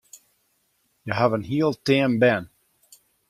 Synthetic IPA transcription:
jəɦavənɦiəlˠtɛːmbɛn

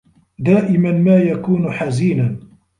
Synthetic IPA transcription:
d̪aːʔɪmanmaːjakuːnħaziːna

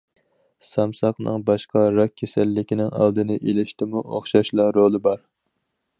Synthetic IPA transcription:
sɑmsɑqnɨ̰ŋbɑʃqɑɾɑk̚ʲʰːesɛlːɪkʲinɪŋɑ̰lˠd̪ɨnɨʔelɪʃt̪ʰɪmuʔoχʃɑʃlˠɑɾolˠɨbɑɾ

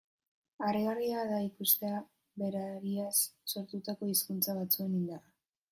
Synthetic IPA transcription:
areɣariaðaikust̪e̞a | βe̞ɾaɾiasːo̞ɾt̪ut̪ako̞iskunt͡saβ̞at͡sue̞nind̪ara

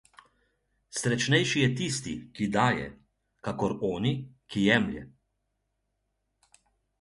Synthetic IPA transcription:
sɾɛt͡ʃnɛjʃijɛt̪ist̪ikid̪aːjɛ̰ | kakɔɾɔːnikijɛmljɛ̰

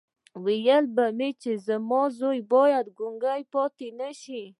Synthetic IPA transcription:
wijəlbamet͡ʃezəmɔzojbɔjad̪ɡʊŋɡajpɔt̪enaʃi

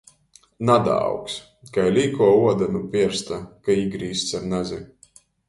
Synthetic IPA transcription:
nad̪a̰wks | kajlʲiːkuɔuɔd̪anupʲiɛɾst̪akaiɡɾiːst̪saɾnazʲi

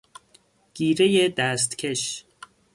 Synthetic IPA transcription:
ɡ̥iːɾejed̪æst̪cʰeʃ

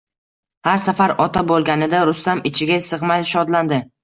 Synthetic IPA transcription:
haɾsafaɾɒt̪ʰabolˠɡʲanɪd̪aɾʊst̪amɪt͡ʃʰɪɡʲasɨʁmajʃɒd̪land̪ɪ

